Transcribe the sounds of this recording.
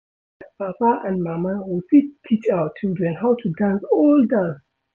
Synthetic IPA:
papaʔãnmamawɔsitʰit͡ʃawtːildɹɛ̃nɦawtʰudãnsɔldas

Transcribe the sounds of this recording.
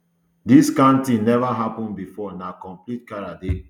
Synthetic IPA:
diskãntinɛvaɦapɔ̃nbifɔnakɔ̃mplit̚kaɹade

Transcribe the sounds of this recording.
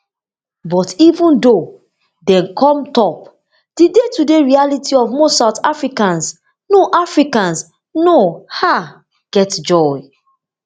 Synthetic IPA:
bɔtivũndo | dɛ̃nkʰɔ̃mtɔp̚ | d̥idetudeɹialitiɔvmɔsaʊtafɹikãns | noʔafɹikãns | noha | ɡ̥ɛtd͡ʒɔj

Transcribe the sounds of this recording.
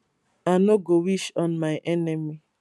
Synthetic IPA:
anoɡowiʃɔ̃nmaɪʔɛnemi

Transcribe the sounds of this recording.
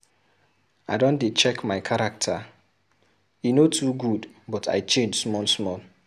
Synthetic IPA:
aɪdɔ̃ndet͡ʃɛkmaɪkʰaɾak̚tʰa | inotʰuɡudbɔtʰa̰ɪt͡ʃẽnd͡ʒsmɔlsmɔl

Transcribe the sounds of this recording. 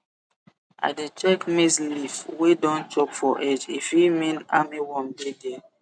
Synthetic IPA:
a̰det͡ʃɛkmislifwedɔ̃nt͡ʃɔkfɔʔɛd͡ʒifimĩnamiwɔ̃mdedɛ

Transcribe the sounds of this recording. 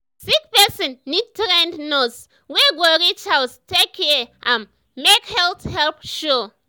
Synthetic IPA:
sik̚pɛsĩnːitɾɛ̃ndnɔs | weɡɔɾit͡ʃalstekʰːɛʔãn | mekhɛlthɛlpʃo

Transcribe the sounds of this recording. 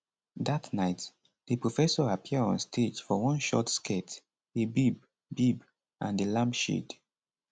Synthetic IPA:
datnaɪt | dəpɹofɛsɔapʰiəɹɔ̰̃nstʰed͡ʒfɔwɔ̃nʃɔ̰tskʰet | ebib̚ | bib | ʔãndəlãmpʃḭd

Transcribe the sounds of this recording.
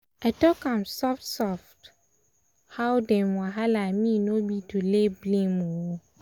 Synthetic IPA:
atɔkãmsɔftsɔft | hawdɛ̃mʊ̃aɦalamĩnõbitʰuleblĩmũwo

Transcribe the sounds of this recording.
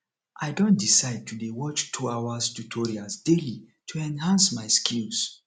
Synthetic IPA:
ʔaɪdõn̚disaɪd̚tʰudewɔt͡ʃtʰuawastutʰɔɹiasdeli | tʰuɛ̃nɦãnsmaɪskʰĩls

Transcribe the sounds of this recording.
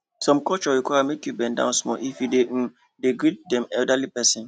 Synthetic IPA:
sɔ̃mkɔt͡ʃɔɾikwajamekjubɛ̃ndã̰ʊ̃nsmɔ̰ʔifjude | deɡɹit̚dɛ̃mɛldalipɛsĩn

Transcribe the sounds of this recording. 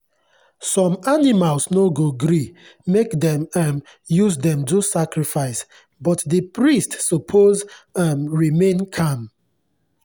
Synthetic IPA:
sɔ̃manimalsnoɡoɡɾi | mekdɛ̃mam | juzdɛ̃mdusakɹifaɪs | bɔtdəpɹistsɔpʰozamɹimẽnkʰãm

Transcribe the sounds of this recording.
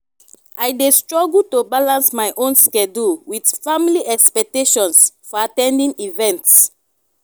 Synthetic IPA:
ajdestɹɔɡultobalãnsmajʔõnskɛduwidfamiliʔɛkspɛk̚teʃɔ̃nsfɔatɛ̃ndĩŋivɛ̃nts

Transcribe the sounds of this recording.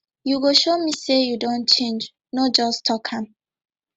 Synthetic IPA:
juɡoʃomisejudõnt͡ʃẽnd͡ʒ | nɔd͡ʒɔstʰɔkʰãm

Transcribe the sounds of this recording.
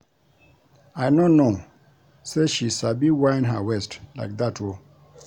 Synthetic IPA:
ajnono | seʃisabiwaɪ̃nɦawɛstla̰ɪk̚datʰwɔ

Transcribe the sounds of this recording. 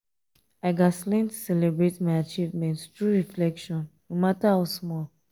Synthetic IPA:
aɪɡaslɛ̃ntsɛlebɹetmaɪat͡ʃivmɛ̃nttɹuɹiflɛkʃɔ̃nːomatahaʊsmɔl

